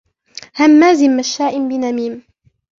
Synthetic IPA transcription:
hamːaːzɪmːaʃːaːʔɪmbɪnamiːm

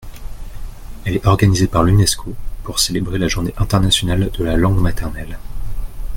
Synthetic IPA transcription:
ɛlɛt̪ɔʁɡanizepaʁlynɛskʰopuʁselebʁelaʒuʁneʔɛ̃t̪ɛʁnasjɔnald̪əlalɑ̃ɡmat̪ɛʁnɛl

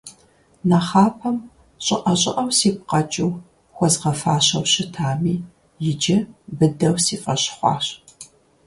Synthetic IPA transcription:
naχaːpʰɐm | ɕʼɪʔɐɕʼɪ̰ʔɐwsiːp̚qɐt͡ʃʼɪw | xʷɔzʁɐfaːɕɐwɕɪtʰaːmiː | jɪd͡ʒɪbɨdɐwsiːfʼɐɕχʷɑ̰ːɕ

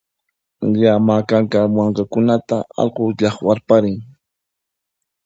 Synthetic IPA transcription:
ʎamakaŋkamwɑɴkakʊnat̪aɑ̰ʎqoʎɑχwaɾpaɾɪŋ

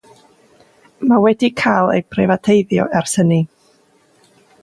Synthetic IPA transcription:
mawɛdikʰajlˠḛjb̥rɛvatʰejðjɔ̰ʔɛrsəni

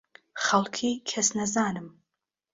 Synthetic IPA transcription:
χalkʲʰikʲʰasnazaːnɨm

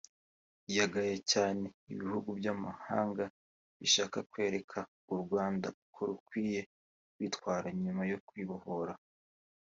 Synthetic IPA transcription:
jaɡajecaːne̞iβihuɡubjamaha̰ːŋɡa | βiʃaːkakwe̞ːɾe̞kʰa | uɾɡwaːnda̰ukʰoɾukwiːje̞ | witkwaːɾaɲumajo̞kwiːβohoɾa

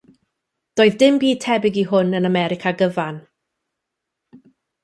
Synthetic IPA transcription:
d̥oːɨðdɪmbiːtʰɛbɪɡiɦʊnənamɛɾɪkʰaɡəvan

